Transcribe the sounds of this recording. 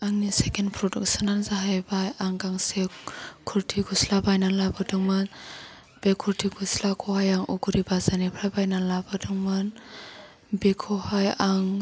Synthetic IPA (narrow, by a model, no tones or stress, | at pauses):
aŋnisekenpʰɾɔdɔk̚sananzaɦajbajaŋɡaŋsekʰuɾtʰiɡuslabajnanlabɯdɯŋman | b̥ekʰuɾtʰiɡuslakʰɔhajaŋuɡuɾibazanipʰɾajbajnanlabɯdɯŋman | bekʰɔhajaŋ